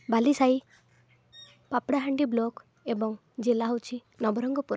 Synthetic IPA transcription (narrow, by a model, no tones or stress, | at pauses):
balisaj | papɽaɦaɳɖiblɔk | ebɔŋ | d͡ʒelaɦowt͡ʃʰi | nɔbɔɾɔŋɡɔpuɾ